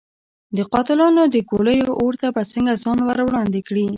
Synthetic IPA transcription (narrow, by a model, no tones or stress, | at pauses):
d̪əqɑt̪ɪlɑnod̪əkoləjoʔoɾt̪abasəŋɡazɑnwaɾwɽɑnd̪ekɽi